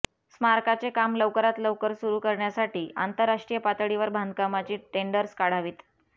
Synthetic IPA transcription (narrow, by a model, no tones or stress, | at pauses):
smaɾkat͡sekamləʋkəɾat̪ləʋkəɾsuɾuːkəɾɳjasaʈiːʔa̰nt̪əɾːaʂʈɾijəpat̪ɽiʋəɾbʱand̪kamat͡ɕiːʈeɳɖəɾskaɽ̤aʋiːt̪